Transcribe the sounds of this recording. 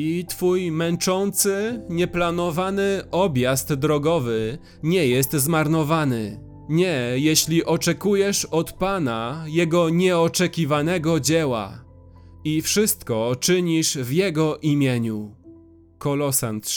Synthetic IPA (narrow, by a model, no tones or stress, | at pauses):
it̪fujmɛnt͡ʂɔnt̪sɘɲɛplanɔvanɘʔɔbʲjast̪ːd̪ɾɔɡɔvɘ | ɲɛjɛst̪zmaɾnɔvanɘ | ɲɛjɛɕlʲiʔɔt͡ʂɛkujɛʂɔt̪panajɛɡɔɲɛɔt͡ʂɛkʲivanɛɡɔd͡ʑɛwa̰ | ifʂɘst̪kɔt͡ʂɘɲiʂvjɛɡɔʔimʲjeɲu | kɔlɔsa̰nt̪